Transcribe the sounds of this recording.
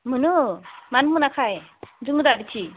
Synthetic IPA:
mɯnɯmanmɯnakʰajd͡ʒɯŋɯd̪abit͡ʃʰi

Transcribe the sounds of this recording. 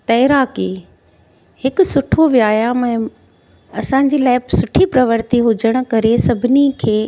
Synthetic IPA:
t̪ɐɪɾaːkeː | hɪkʊ̆sʊʈʰoʋjaːjamɛ̃ː | ɐsãɲ̆d͡ʑiːlaːɪpsʊʈʰipɾɐʋəɾt̪iɦʊd͡ʑəɽ̃ʊ̆kɐɾesɐbʱɪnikʰeː

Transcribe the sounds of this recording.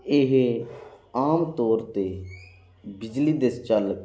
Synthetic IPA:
ɪɦ | aːmt̪ɔːɾt̪eː | bɪd͡ʒliːd̪est͡ʃəl

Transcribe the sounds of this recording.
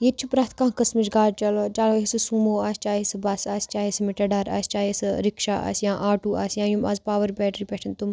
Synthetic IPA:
jet͡ʃʰupɾaːt̪ʰkãːkɐsmiʃɡaːʈt͡ʃɐloːd͡ʒaːloɦisɨsuːmoːaːsʲt͡ʃaːɦisɨbaːsaːst͡ʃaːɦismiʈɐɖaːɾa̰ːst͡ʃaːɦesɾikʃa̰ːʔa̰ːsjãːʔaːʈuːa̰ːsjãːjumaːzpaːʋəɾbɛːʈɾiːpɛʈʰɐnt̪um

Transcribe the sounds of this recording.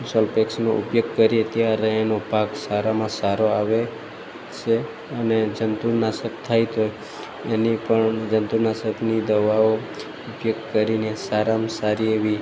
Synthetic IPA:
sɔlpeksnoʔṵpjoɡ̚kəɾiet̪jaɾeːnobʱaɡsaɾamãsaɾoaʋe | t͡ʃʰe | əned͡ʒənt̪uɾnasək̚t̪ʰajt̪oj | enipəɳd͡ʒənt̪uɾnasəknid̪əʋao | ʊpjoɡ̚kəɾinesaɾamsaɾieʋi

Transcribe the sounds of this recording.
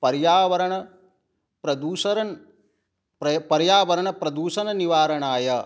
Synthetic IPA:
pɐɾjaːʋɐɾɐɳɐ | pɾɐd̪uːʃɐɾɐn | ɐpɐɾjaːʋɐɾɐɳɐpɾɐd̪uːʃɐnɐniʋaːɾɐɳaːjɐ

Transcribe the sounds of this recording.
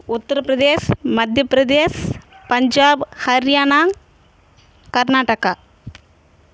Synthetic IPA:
ʊt̪ːɐɾɐpɾɐd̪eːsmɐd̪ʱjɐpɾɐd̪eːspɐɲd͡ʒaːbhɐɾjaːnaːŋ | kɐɾnaːʈɐkɐ

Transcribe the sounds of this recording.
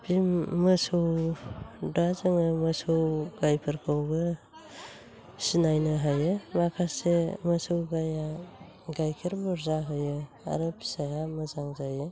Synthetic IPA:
pimːɯsɯw | dazɯŋɯməsɯwɡajpʰɯɾkʰawɡɯ | sinajnɯɦajɯmakʰaseməsɯwɡaja | ɡajkʰiɾbɔɾzaɦɯjɯ | a̰ɾɯpʰi̥sajamɯzaŋzajɯ

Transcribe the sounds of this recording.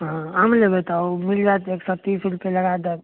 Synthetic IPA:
ɦãəmlebet̪ɔmild͡ʒat̪eksɔt̪isilkeləɡad̪e

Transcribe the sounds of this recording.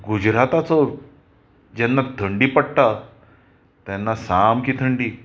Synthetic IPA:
ɡud͡ʑɾat̪at͡sɔɾ | d͡ʑɛnːat̪ʰəɳɖiːpəɽʈ̪a | t̪janːasamkit̪ʰəɳɖiː

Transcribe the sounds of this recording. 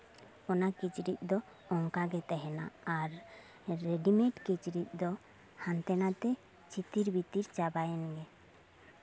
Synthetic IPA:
ɔnakit͡ʃɾit̪̚ˀd̪ɔ | ɔŋkaɡɛt̪ɛɦɛna̰ːɾː | ɛɖimɛ̃ʈkit͡ʃɾit̪̚ˀd̪ɔ | hant̪ɛnat̪ɛ | t͡ʃit̪iɾbit̪iɾt͡ʃabajɛnɡɛ

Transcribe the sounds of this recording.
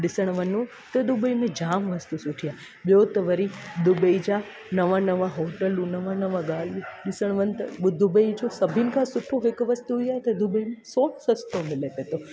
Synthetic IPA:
ɗɪsəɽ̃ʋənũ | t̪ɐd̪ubəimẽd͡ʒaːmʋɐst̪usʊʈʰijaː | ɓjot̪əʋəɾid̪ʊbəid͡ʒa | nɐʋãnɐʋãɦoʈəlũnɐʋãnɐʋãɡaːl̤ũɗɪsəɽ̃ʋə̃nt̪ʊd̪ʱubəid͡ʒosɐbʱinɪkʰãsʊʈʰoɦɪkʋɐst̪uɦjaːɦet̪ɐd̪ubəimẽsoːnsɐst̪omɪlepet̪o

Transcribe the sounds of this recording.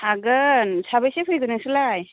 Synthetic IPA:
aɡɯnsabajsepʰɯjɡɯnɯsɯlaj

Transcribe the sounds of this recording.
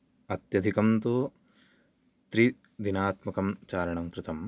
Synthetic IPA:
ɐt̪jɐd̪ʱikɐmt̪u | t̪ɾi | d̪inaːt̪mɐkɐmt͡ʃaːɾɐɳɐmkɾɨt̪ɐm

